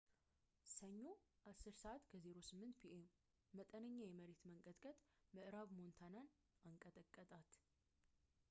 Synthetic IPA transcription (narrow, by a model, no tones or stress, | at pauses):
səɲːoʔasːɨɾsəʔat̪kʰəzeɾo̞sɨmːɨnt̪pʰiʔemː | ət̪ʼənəɲːajɛməɾet̪məŋkʼəd̪kʼət̪ʼməʔɾaβmont̪ʰanan | aŋkʼət̪ʼəkʼːət̪ʼat̪